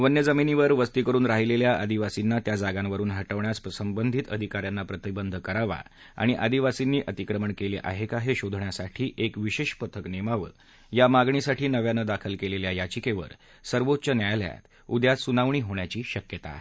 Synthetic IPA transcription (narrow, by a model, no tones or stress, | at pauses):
ʋənjəd͡zəminiʋəɾʋəst̪ikəɾuːnɾaɦileljaʔəd̪iʋasinːat̪jad͡zaɡãnʋəɾuːnɦəʈəʋɳjaspɾəsəmbənd̪ʱit̪əd̪ʱikaɾjanːapɾət̪ibənd̪ʱkəɾaʋa̰ | a̰ɽ̃iʔəd̪iʋasinːiːʔət̪ikɾəməɳkeleʔa̰ɦekaɦeɕod̪ʱɳjasaʈʰiːʔekʋiɕeɕpət̪ʰəknemaʋə̰ | jamaɡɳisaʈʰiːnəʋjanəd̪akʰəlkeleljajat͡ɕikeʋə̰ɾ | səɾʋot̪̚t͡ɕənjajlja̰t̪ | ud̪jat̪sunaʋɳiːɦoɳjat͡ɕiːɕəkjət̪a̰